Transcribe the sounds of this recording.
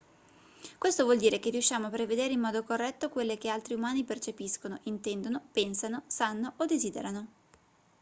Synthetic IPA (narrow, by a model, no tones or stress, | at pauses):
kwest̪ovwɔld̪iːɾek̟erːijuʃːjaːmoapːɾeved̪eːɾeimːɔːd̪okorːɛt̪ːokwelːek̟ealt̪ɾiumaːnipert͡ʃepiskonoʔint̪ɛnd̪onopɛnsanosanːoʔod̪eziːd̪ḛɾano